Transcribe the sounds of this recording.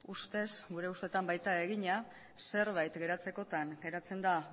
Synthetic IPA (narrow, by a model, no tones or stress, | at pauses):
ust̪e̞sɡuɾe̞ust̪et̪ambajt̪ae̞ɣiɲa | se̞ɾβajt̪ɡe̞ɾat͡se̞ko̞t̪aŋɡe̞ɾat͡se̞nd̪a